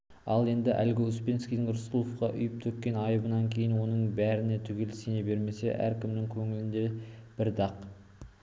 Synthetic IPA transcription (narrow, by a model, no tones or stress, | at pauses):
ɑlˠe̞nd̪ɪʔæ̰lɡʲɪʏspʲe̞nskʲijd̪ɪŋɾʊsəlˠofqɑʔʏjɪp̚t̪ʰɵkʲːe̞nɑjəbənɑŋkʲʰe̞jɪnwo̞nəɴbæɾɪne̞t̪ʰʏɡʲe̞lɪsenebe̞ɾme̞se̞̰ʔæ̰ɾkʲɪmnɪŋkʲʰɵŋɪlɪnd̪e̞b̥ɪɾd̪ɑq